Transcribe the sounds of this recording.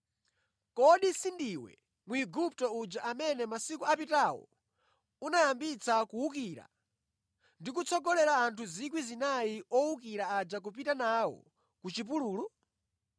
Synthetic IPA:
kɔɗisindiwɛ̰ | muiɡup̚tɔud͡ʒaʔamɛnɛmasikuapitawɔ̰ | unajambit͡sakuukiɾa̰ | ndikut͡sʰɔɡɔlɛɾaːntʰuzik̬wizinaiɔukiɾaːd͡ʒak̬up̬itanawɔ̰ | kut͡ʃip̬uluːlu

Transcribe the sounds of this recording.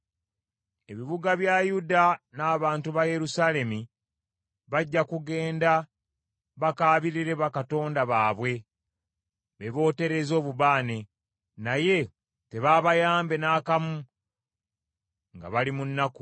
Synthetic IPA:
e̞βiβuɡaβjajudanaːβaːntuβaje̞ɾusaːle̞mi | βaɟːakuɡe̞ːnda | βakaːβiɾiɾe̞βakato̞ːndaβaːβwe̞ | βe̞βo̞ːte̞ɾe̞zo̞ːβuβaːne̞ | naje̞ | te̞βaːβajaːmbe̞naːkamu | ŋɡa̰βalimunːaku

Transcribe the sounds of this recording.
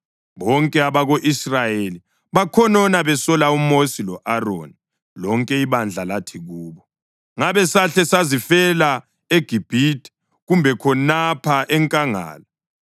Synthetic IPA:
βɔŋkʼɛaβaɣoʔisrajeli | βakʰɔnɔnaβɛsɔlaumosilɔʔaro̰ni | lɔŋkʼɛiβand͡ɮʱalatʰiɣuːβɔ | ŋaβɛsaɬɛsazifɛla | eɡ̥ʱib̥ʱitʰʼi̥ | ɣumbʱɛkʰɔnapʰaʔɛŋkʼaŋa̰ːlɔ

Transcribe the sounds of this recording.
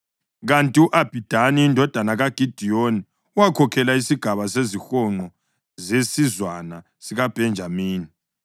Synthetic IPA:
ɣantʼiuʔab̥ʱid̥ʱaniindʱɔd̥ʱanaɣaɡ̥ʱid̥ʱijoni | uwakʰɔkʰɛlaisiɡ̥ʱaβasezixɔŋ͡ǃɔ | zesizwana | siɣab̥ʱɛnd͡ʒʱamiːni

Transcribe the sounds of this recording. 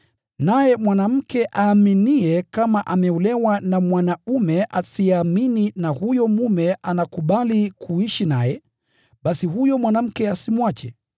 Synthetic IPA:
najɛmwanam̩kɛʔaːminiɛkamaʔamɛulɛwanamwanaumɛʔasiamininahujɔmumɛʔanakuɓalikʰuiʃinajɛ | ɓasihujɔmwanam̩kɛasimwat͡ʃɛ̰

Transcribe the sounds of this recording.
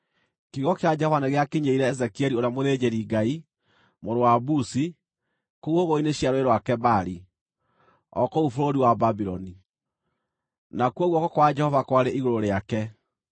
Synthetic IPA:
kiɣɔkead͡ʒɛhɔvaneɣeakeɲeiɾɛːzɛkiɛɾioɾeamoðed͡ʑeɾiɡai | moɾowabusi | kouoɣoineɕiaɾoeɾwakɛbaɾi | ɔ̰koufoɾoɾiwababiɾɔni | nakwɔɣwɔkɔkwad͡ʒɛhɔvakwaɾeʔiɣoɾoɾeakɛ

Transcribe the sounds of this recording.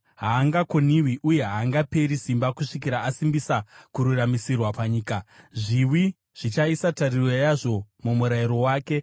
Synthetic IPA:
ɦaːŋɡako̞niwiʔuje̞ɦaːŋɡape̞ɾisimbakuʂikiɾaasimbisakuɾuramisirwapaɲiːkaʐiwi | ʐ̥it͡ʃaisatarirwejaʐo̞mumuɾaiɾo̞waːke̞

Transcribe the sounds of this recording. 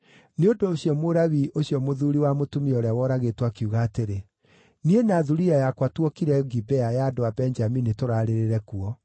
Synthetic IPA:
neodoɕjɔmoɾaβiʔoɕjɔmoðuɾiwamotumiɔɾeawɔɾaɣetwakiuɣaːteɾe | nienaðuɾiajakwatwɔkiɾɛɡibɛajaːdoabɛnd͡ʒaminitoɾaɾeɾeɾɛkuɔ

